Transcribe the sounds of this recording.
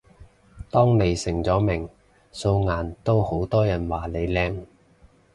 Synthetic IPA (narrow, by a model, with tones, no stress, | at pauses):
t̪ɔː˥ŋne˨˧jsɪ˨˩ŋt͡sɔː˨˥mɪ˨˩ŋ | so˧wŋaː˨˩nt̪o˥who˨˥wt̪ɔː˥jɐ˨˩nwaː˨˩le˨˧jlɛː˧ŋ